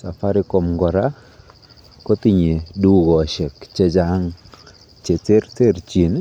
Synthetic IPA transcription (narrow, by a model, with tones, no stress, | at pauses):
sa˨fa˦ɾɪ˦ko˨mŋɡɔ˨ɾa˦ | ko˦t̪i˦ɲe˨du˦ɡɔ˨a˨ʃɛ˨kt͡ʃe˦d͡ʒa˦ŋ | t͡ʃe˨t͡se˦ɾt͡se˦ɾt͡ʃi˨n